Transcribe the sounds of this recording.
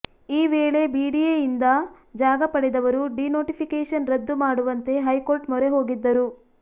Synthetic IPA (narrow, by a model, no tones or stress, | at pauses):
iːʋeːɭe̞biːɖiejind̪ɐ | d͡ʒaːɡɐpɐɽed̪ɐʋɐɾuɖinoːʈipʰikeːʂɐnɾɐd̪ːumaːɽuʋɐnt̪e̞ɦɐjko̞ːɾʈmɔɾe̞ɦo̞ːɡid̪ːɐɾu